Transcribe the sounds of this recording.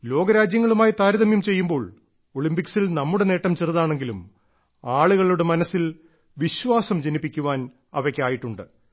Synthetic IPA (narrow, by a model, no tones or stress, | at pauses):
lo̞ːɡɐɾaːd͡ʑjɐŋːɐɭumaːjit̪aːɾɐðɐmjumt͡ɕe̞jːumbo̞ːɭ | o̞ɭimpiksilnɐmːuɽe̞ne̞ːʈːɐmt͡ɕerðaːɳe̞ŋɡilum | aːɭuɣɐɭuɽe̞mɐnɐsːil | ʋiɕʋaːsɐmd͡ʑenipːikʲːuʋaːn | ɐ̰ʋɐkʲːeaːjiʈːuɳɖɨ